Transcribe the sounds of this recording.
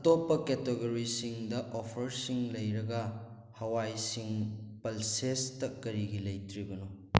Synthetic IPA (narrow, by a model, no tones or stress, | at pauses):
ɐtopːɐketeɡoɾisiŋdɐʔopʰɐɾsiŋlɐjɾɐɡɐ | hɐwajsiŋpɐlsestɐkːɐɾiɡilɐjtɾibɐno